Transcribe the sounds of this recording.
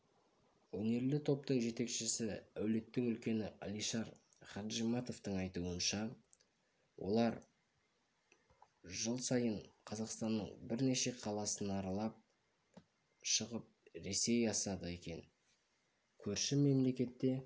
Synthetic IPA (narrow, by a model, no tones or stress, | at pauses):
wɵne̞ɾlɪt̪ʰo̞p̚t̪əɴʒe̞t̪e̞kʃɪsɪæwle̞t̪ːɪŋʏlkʲe̞nɪʔɑ̰lˠijʃɑɾ | χɑʒimɑt̪o̞ft̪əɴɑjt̪uənʃɑ | wʔo̞̰lˠɑɾ | ʒəlˠsɑjəɴqʰɑzɑqst̪ɑnːəɴbɪɾne̞ʃe̞qʰɑlˠɑsənɑɾɑlˠɑp̚ | ʃəʁəp̚ɾe̞se̞jɑsɑd̪əe̞kʲe̞n | kʲʰɵɾʃɪme̞mle̞kʲe̞t̪ːe̞